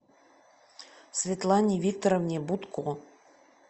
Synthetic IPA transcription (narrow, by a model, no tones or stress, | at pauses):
svʲet̪lˠɑnʲivʲik̚t̪oɾovnʲebut̪kʰu